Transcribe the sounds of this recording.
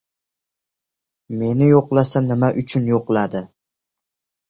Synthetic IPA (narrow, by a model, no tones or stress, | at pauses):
me̞nɪjoqlˠasanɪmaʔʊt͡ʃʰʊnjoqlˠad̪ɪ